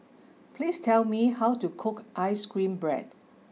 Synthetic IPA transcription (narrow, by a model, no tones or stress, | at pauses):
pʰlistʰɛlmihawtukʰʊkʔaɪskɹĩmbɹɛ̰d̚